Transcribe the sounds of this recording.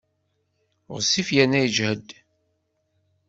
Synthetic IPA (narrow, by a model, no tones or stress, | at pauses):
ʁsifjænːæjəd͡ʒhəd̪